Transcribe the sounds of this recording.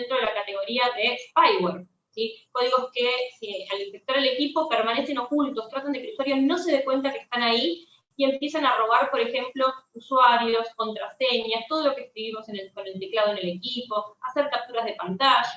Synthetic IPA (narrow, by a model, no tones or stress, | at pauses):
nt̪ɾoðelakat̪e̞ɣ̞o̞ɾiaðe̞spajweɾ | siko̞ðiɣo̞skesialispek̚t̪oɾðele̞kipo̞peɾmane̞seno̞kult̪o̞st̪ɾat̪and̪ekeuswaɾjo̞sno̞se̞ðe̞kwe̞nt̪akest̪anai | ie̞mpje̞sanaro̞ɣ̞aɾpo̞ɾe̞xe̞mplo̞uswaɾjo̞sko̞nt̪ɾase̞ɲast̪o̞ð̞o̞lo̞keːskɾiβimo̞seneko̞ne̞lt̪eklað̞oene̞le̞kipo̞ase̞ɾkap̚t̪uɾazð̞e̞pant̪aʃa